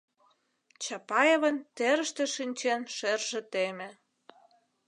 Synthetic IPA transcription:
t͡ɕɑpɑjeβə̆nt̪eɾə̆ʃt̪ĕʃinʲt͡ɕenʃerʒĕt̪emĕ

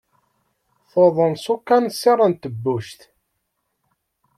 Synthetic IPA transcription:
θoðˤənsukːænsːirˤːənt̪əbːuʃt̪

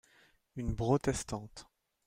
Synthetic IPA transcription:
ynbʁot̪ɛst̪ɑ̃t̪

